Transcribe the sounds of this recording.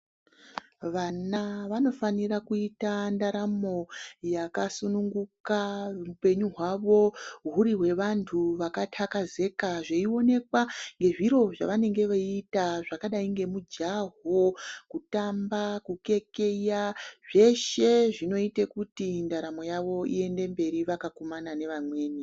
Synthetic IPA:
ʋanaʋano̞fanirakuitandaɾamo̞jakasunuŋɡukaupe̞ɲuɦwaʋo̞ɦuɾiɦwe̞ʋantʰuʋakatʰakaze̞kaʐeio̞ne̞kwaŋɡe̞ʐiɾo̞ʐa̰ʋane̞ŋɡe̞ʋaiːtaʐakaɗaiŋɡe̞mud͡ʒaɦokutambakuke̞ke̞jaʐ̥e̞ʃe̞ʐino̞itekutindaɾamo̞jaʋo̞ḭe̞nde̞mbe̞ɾiʋakakomanane̞ʋamwe̞ːni

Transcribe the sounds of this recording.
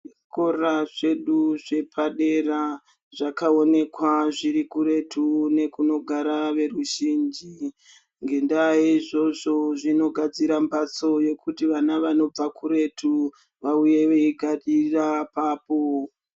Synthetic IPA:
ʐiko̞raʐe̞ɗuʐe̞pʰaɗe̞ra | ʐakao̞ne̞kwaʐiɾikuɾe̞tʰune̞kuno̞ɡʱaɾaʋe̞ruʒind͡ʒi | ŋɡe̞ndajeʐo̞ʐo̞ʐino̞ɡʱad͡ziɾambat͡so̞je̞kutiʋanaʋano̞b͡vakuɾe̞tu | ʋauje̞ʋeiɡʱaɗirapaːpo

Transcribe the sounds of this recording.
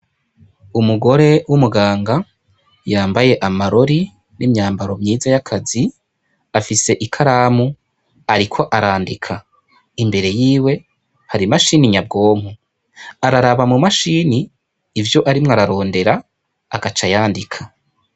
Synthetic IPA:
umuɡo̞ɾe̞wumuɡaːŋɡa | jaːmbaje̞ʔamaɾo̞ɾi | nimɲaːmbaɾo̞mɲiːzajakʰazi | afise̞ʔikʰaɾaːmu | aɾikʰo̞ʔaɾaːndikʰa | imbe̞ɾe̞jiːwe̞ | haɾimaʃiniɲab̚ɡo̞ːm̥hu | aɾaɾaβamumaʃiːniː | vjo̞ʔaɾimŋaɾaɾo̞ːnde̞ɾaː | ɡat͡ʃajaːndikʰḁ

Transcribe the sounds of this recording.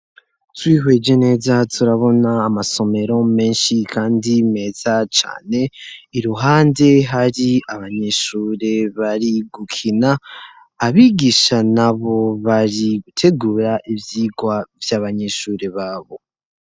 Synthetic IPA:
twiːɦwe̞d͡ʒe̞ne̞ːzatʰuɾaβo̞naːmaso̞me̞ɾo̞me̞ːnʃikʰaːndime̞ːz̥at͡ʃa̰ːne̞iɾuɦaːnde̞ɦaɾiaβaɲeʃuːɾe̞βaɾiɡukʰinaː | βiːɡiʃanaβo̞βaɾiɡutʰe̞ɡuːɾaʔivjiːɡwavjaːβaɲeʃuːɾe̞βaːβo̞

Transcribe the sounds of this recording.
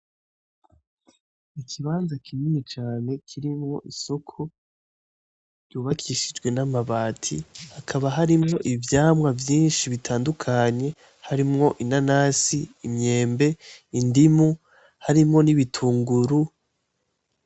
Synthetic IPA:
ikʰiβaːnzakiminit͡ʃaːne̞kʰiɾimŋo̞̰ʔisokʰu | ɾjuːβakʰiʃid͡ʒɡwe̞namaβaːtʰihakʰaβaɦaɾimŋo̞ʔivjaːmwavjiːnʃiβitʰaːndukʰaɲe̞ | haɾimŋo̞ʔinanaːsiimɲe̞ːmbe̞indimu | haɾimŋo̞niβitʰuːŋɡuɾu

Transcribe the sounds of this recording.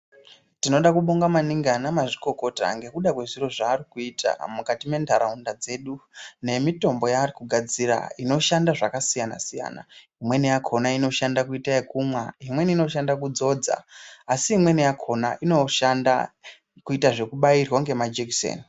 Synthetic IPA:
tino̞ɗakuɓoŋɡamaniŋɡanamaʐiko̞ko̞ta̰ŋɡe̞kuɗakwe̞ʐiro̞ʐaːrikuitʰa̰mukatime̞ndʱaɾaundad͡ze̞ːɗune̞mito̞mbo̞jaːrikuɡʱad͡zira̰ino̞ʃandaʐakasijana̰sija̰ːna̰ | imwe̞nijakʰonaino̞ʃandakuitaekumwaimwe̞niino̞ʃandakud͡zo̞d͡za̰ːsiimwe̞nijakʰo̞na̰ʔino̞ʃanda | kuitaʐe̞kuɓairwaŋɡe̞mad͡ʒeksḛːni

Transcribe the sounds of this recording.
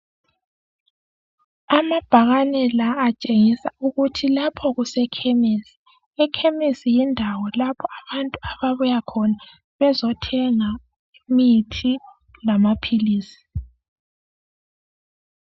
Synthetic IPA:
amab̥ʱaɣanɛlaːt͡ʃʼeŋisauɣutʰilapʰɔɣusɛkʰemisi̥ | ɛkʰemisijindʱawɔlapʰɔaβantʼuaβaβujakʰɔna | βɛzɔtʰɛŋa | mitʰi | lamapʰiliːsi̥

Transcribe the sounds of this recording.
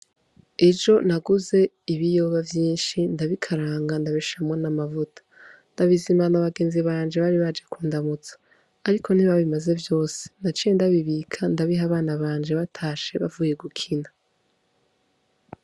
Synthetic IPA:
e̞d͡ʒo̞naɡuze̞ | iβijo̞βavjiːnʃindaβikʰaɾaːŋɡandaβiʃʃamŋonamavutʰḁndaβizimanaβaɡe̞ːnziβaːɲd͡ʒe̞βaɾiβad͡ʒakuːndamut͡sḁː | ɾikʰo̞n̥iβaβimaze̞vjo̞ːse̥nat͡ʃijendaβiβikʰandaβiɦaβaːnaβaːɲd͡ʒeβatʰaːʃe̞βavuːje̞ɡukʰina

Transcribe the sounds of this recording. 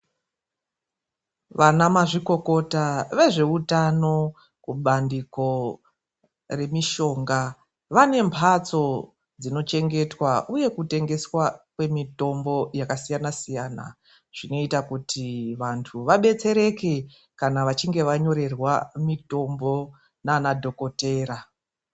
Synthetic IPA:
ʋanamaʐiko̞ko̞taʋe̞ʐe̞utano̞ | kuɓandiko̞ | re̞miʃo̞ːŋɡa | ʋane̞mpʰat͡so̞ | d͡zino̞t͡ʃe̞ŋɡe̞twaʔuje̞kute̞ŋɡe̞swakwe̞mito̞mbo̞jakasijanasijaːna̰ | ʐ̥ino̞itakutʰiʋantʰuʋaɓe̞t͡se̞ɾe̞ke̞ | kanaʋat͡ʃiŋɡe̞ʋaɲo̞ɾe̞rwamito̞mbo̞ | nanadʱo̞ko̞te̞ːɾa

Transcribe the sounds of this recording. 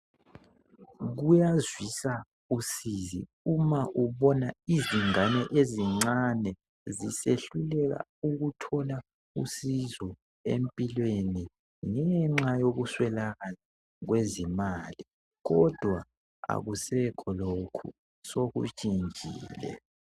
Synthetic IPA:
ɣujazwisa | usizḭ | umaʔuβɔnaiziŋanɛʔeziŋ͡ǀanɛ | ziseɬulɛɣa̰uɣutʰɔla | usizɔ | ḛmpʼilweni | ŋɛŋ͡ǁajoɣuswɛlaɣala | ɣwezimaːli | ɣɔd̥ʱwa | a̰ɣusɛkʰɔlokʰṵ | soɣṵt͡ʃʼind͡ʒʱḭːlɛ̰

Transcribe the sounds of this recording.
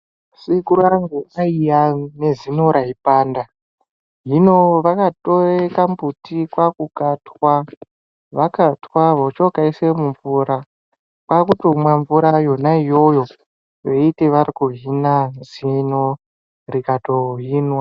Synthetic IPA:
sikuɾaŋɡuaijane̞zinoɾaipaːnda | ɦino̞ʋakatorekambutikwakukatwa | ʋakatwaʋot͡ʃokaisemuɱvuɾa | pakutomwaɱvuɾajo̞naijo̞jo̞ | jeiteʋaɾikuɦinanzino | rikatoɦiːnwa

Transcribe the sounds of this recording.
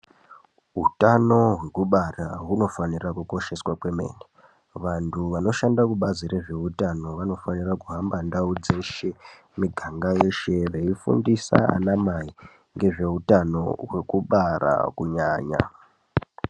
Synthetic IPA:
ɦutano̞ɦwe̞kuɓaraɦuno̞fanirakuko̞ʃe̞swakwe̞me̞̰ːne | ʋantʰuʋano̞ʃandakuɓaziɾe̞ʐe̞utano̞ʋano̞fanirakuɦambandaud͡ze̞ʃe̞ | miɡʱaŋɡaje̞ʃe̞re̞ifṵndisa̰a̰namai | ŋɡe̞ʐe̞utano̞̰we̞kuɓara̰kuɲaːɲa̰

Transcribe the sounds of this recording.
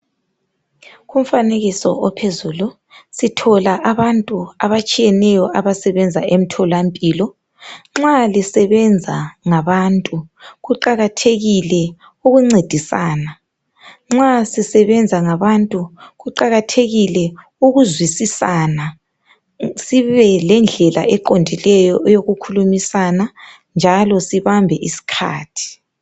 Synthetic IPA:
ɣum̩faneɣisɔ̰ʔɔpʰezuːlu | sitʰɔlaʔaβantʼuaβat͡ʃʼijɛnɛjɔʔaβasɛβɛnd͡zʱaʔem̩tʰɔlampʼiːlɔ | ŋ͡ǁalisɛβɛnd͡zʱaŋaβantʼuɣuǃaɣatʰeɣilɛ | uɣuŋ͡ǀed̥ʱisaːna | ŋ͡ǁasisɛβɛnd͡zʱaŋaβantʼuɣuǃaɣatʰeɣilɛ | uɣuzwisisana | siβɛlɛnd͡ɮʱɛla̰ʔɛǃondʱilɛjɔʔɛjoɣukʰulumisana | nd͡ʒʱalɔsiβambʱɛʔisi̥kʰa̰ːtʰi̥

